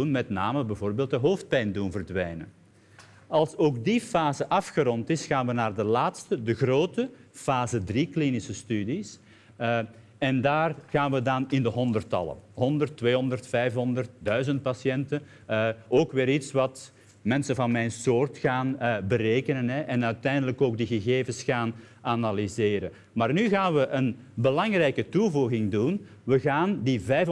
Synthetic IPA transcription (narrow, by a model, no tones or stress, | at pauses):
unmɛtna̰ːməbɛvoːrbeːlˠtəɦoːft̚pɛjndunvərdʋɛjnə̰n | ɑlˠsoːk̚difaːzəʔɑfxəɾɔntɪsxaːnʋənaːrdəlaːtstədəɣroːtəfaːzədriklinɪsəstydis | ɛndaːrɣaːnʋədɑnɪndəɦɔndərtɑ̰lə̰ɦɔndərtːʋeːɦɔndərtfɛjfɦɔndərt̚dœɥzənt̚pɑsjɛntə | oːkʋɪːɾitsʋɑt | mɛnsəvɑnmɛjnsoːrtxaːnbəreːkənənɦɛʔɛnœɥtɛjndələkoːɡ̚diɣəɣeːvəsxaːnanalizeːɾən | maːrnyɣaːnʋəʔən | bəlɑŋrɛjkətuvuɣɪŋdun | ʋəɣaːndivɛjf